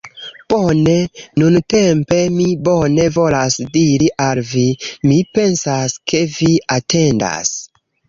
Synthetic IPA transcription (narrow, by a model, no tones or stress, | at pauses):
pone̞nunte̞mpe̞mibo̞ne̞vo̞lasdiɾiʔalvimipe̞nsaskʰe̞viatʰe̞nda̰s